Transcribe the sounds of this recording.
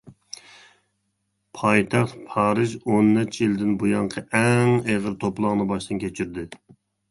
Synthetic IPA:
pʰɑjt̪ʰɑχt̪pʰɑːɾɨʒonːɛt͡ʃʰjild̪ɪnbujɑɴqʰəʔɛŋeʁəɾt̪ʰoplˠɑŋnɨbɑʃt̪ɨnkʲʰet͡ʃʰyɾd̪ɪ

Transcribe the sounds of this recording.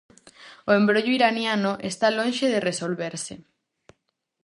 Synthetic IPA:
oembɾoʎoiɾanjanʊʔest̪alõnʃeðeresolβeɾse

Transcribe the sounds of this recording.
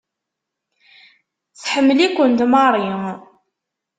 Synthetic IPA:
θħəmːəlikʷənd̪mɑɾˤiŋ

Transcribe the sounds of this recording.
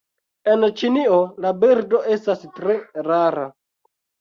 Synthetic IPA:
e̞nt͡ʃiniolabiɾdo̞e̞stastɾe̞ɾaɾa

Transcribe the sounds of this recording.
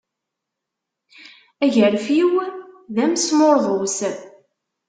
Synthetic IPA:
æʝəɾfjiwðæmsmoɾðˤəws

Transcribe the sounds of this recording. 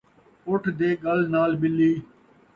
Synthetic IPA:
ʊʈʰd̪eːɡəlnaːlbɪlːiː

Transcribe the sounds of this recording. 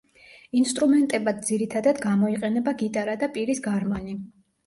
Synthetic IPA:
inst̪ʼɾumɛnt̪ʼɛbad̪̚d̪ziɾit̪ʰad̪ad̪ɡamɔiqʼɛnɛbaɡit̪ʼaɾad̪apʼiɾisɡaɾmani

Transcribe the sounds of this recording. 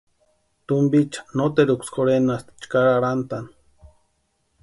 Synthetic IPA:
t̪umbit͡ʃḁnot̪eɾukʷskʰoɾenast̪t͡ʃkaɾaɾant̪an

